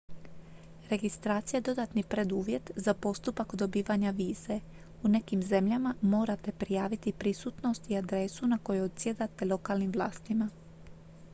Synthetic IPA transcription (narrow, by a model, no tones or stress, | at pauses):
ɾe̞ɡist̪ɾaːt̪sijaed̪o̞d̪at̪nipɾe̞d̪uːʋje̞t̪zapo̞st̪upakod̪o̞biːʋaɲaʋiːze̞ | une̞kimze̞mʎamamo̞ːɾat̪e̞pɾijaːʋit̪ipɾisuːt̪no̞st̪iad̪ɾe̞sunako̞juod̪sje̞d̪at̪e̞lˠo̞kaːlnimʋlˠaːst̪ima